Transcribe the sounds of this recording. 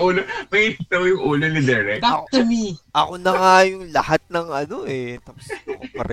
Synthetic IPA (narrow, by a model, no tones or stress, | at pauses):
uːlomɐiɪpɪt̪ɐwjʊŋʔuːlonɪd̪ɛɾɛk̪aɐɐmiʔɐ̰konɐŋajʊŋlɐhat̪̚nɐŋɐno̞ʔɛt̪aːpʊ̥sokɐ̰ɾʔɛ